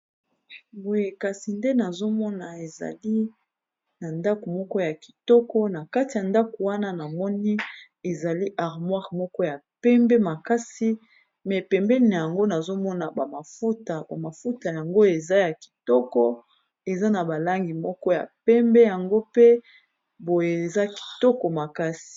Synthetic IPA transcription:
bo˨je˨ka˨si˨nde˦na˨zo˦mɔ˦na˨e˨za̰˨li˦ | na˨nda˦ko˨mɔ˦kɔ˦ja˨ki̥˨tɔ˦kɔ˦na˨ka˦ti˨ja˨nda˦ko˨wa˦na˦na˨mɔ˦ni˦ | e˨za˨li˦ʔa˨ʁmwa˦ʁmɔ˦kɔ˦ja˨pɛ˦mbɛ˦ma˨ka˦si˦ | mɛ˨pɛ˨mbɛ˦ni˨n˨ja˨ŋɡo˦na˨zo˦mɔ˦na˨ba˨ma˨fu˦ta˨ba˨ma˨fu˦ta˨ja˨ŋɡo˦e˨za˦ja˨ki̥˨tɔ˦kɔ˦ | e˨za˦na˨ba˨la˦ŋɡi˨mɔ˦kɔ˦ja̰˨pɛ˦mbɛ˦ja˨ŋɡo˦pe˦ | bo˨je˨e˨za˦ki̥˨tɔ˦kɔ˨ma˨ka˦si̥˨

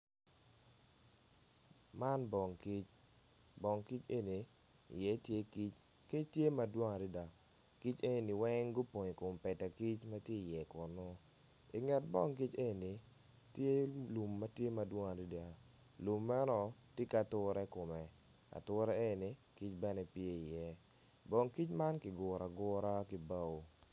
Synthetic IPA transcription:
ma˦nbɔ˨ŋki˦t͡ʃ | bɔ˨ŋki˦t͡ʃe˦ni˨ | ḭ˨jɛ˨˦tje˦ki˦t͡ʃ | kɪ˦tje˦ma˨dwɔ˦ŋa˨ɾi˦da˨ | ki˦t͡ʃe˦ni˨ni˨wɛ˦ŋɡʊ˦po˨ɲi˨kʊ˨mpɛ˨ta˨ki˦t͡ʃma˦tje˦i˨jɛ˨kʊ˨nʊ˦ | i˨ŋɛ˨t̚bɔ˦˨ŋk̬i˦t͡ʃe˦˨ni˨ | tje˦lu˨mːa˦tje˦ma˨dwɔ˦ŋa˨di˦da˨ | lu˨mːɛ˦nɔ˨ti˦ka˨tʊ˦ɾɛ˦kʊ˨mɛ˨ | a̰˨tʊ˦ɾɛ˦e˦ni˨ | ki˦t͡ʃbɛ˦nɛ˦pje˦i˨jɛ˦ | bɔ˨ŋki˦t͡ʃma˦nkɪ˨ɡʊ˨ɾa˨ɡʊ˦ɾa˦ki˨ba˦o˨

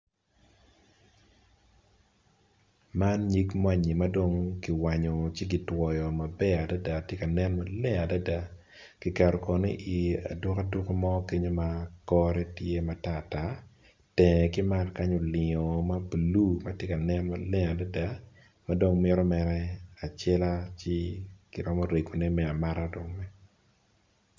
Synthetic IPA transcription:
ma˦nɲi˦kmwa˦ɲi˨ma˦do˦ŋki˨wa˨ɲɔ˨t͡ʃi˦ɡi˨twɔ˨jɔ˨ma˨bɛ˦a˨da˦da˨tje˦ka˨nɛ˦nma˦lɛ˦a˨da˦da˦ | kɪ˨ka˨ɾɔ˨kɔ˨nɪ̰˦ʔi˨a̰˨dʊ˦ka˦du˦ko˦mɔ˦ke˦ɲo˦ma˦kɔ˦ɾɛ˦tje˦ma˨ta˨ta˦ | tɛ̃˨kɪ˦ma˦rka˦ɲo˨lɪ˨ŋɔ˨ma˦blu˦ma˦tje˦ka˨nɛ˦nma˦lɛ˦a˨da˦da˦ | ma˦do˦ŋmɪ˦ɾɔ˦mɛɾɛ˦a˨t͡ʃɛ˦la˦t͡ʃɪ˦kɪ˨ɾɔ˦mɔ˦ɾe˨ɡo˨nɛ˦mɛ˦a˨ma˦ɾa˦do˨ŋmɛ˦

